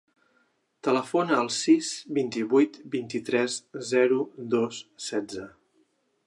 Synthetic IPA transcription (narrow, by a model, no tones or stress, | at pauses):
t̪ələfonəːlˠsizbint̪iβujt̪bint̪it̪ɾɛzzɛɾud̪osːɛdd͡zə